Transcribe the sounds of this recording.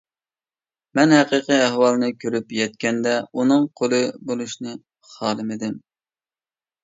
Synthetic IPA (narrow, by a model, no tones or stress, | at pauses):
mɛnhæqəqɨæhwɑlˠnɨkʲʰøɾypjɛt̪̚kʲɛnd̪ɛunɨŋqʰolˠɨbolˠuʃnɨ | χɑːlˠɨmɪd̪ɪm